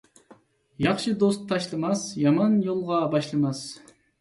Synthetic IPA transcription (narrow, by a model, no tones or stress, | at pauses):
jɑχʃɨd̪ost̪ʰːɑʃlˠɨmɑsjɑmɑnjolˠʁɑbɑʃlˠɨmɑs